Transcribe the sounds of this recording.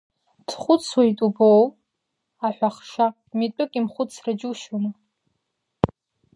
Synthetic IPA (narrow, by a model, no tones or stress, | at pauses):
tʰχʷʊt͡sʰwajtʼubow | aħʷᶣaχʂa | mitʷʼʊkʼimχʷʊt͡sʰrad͡ʒuʃona